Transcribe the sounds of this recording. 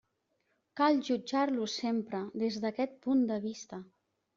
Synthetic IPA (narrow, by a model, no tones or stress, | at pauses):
kalˠʒud͡ʒaɾlusempɾəðezðəkɛt̪̚pund̪əβist̪ə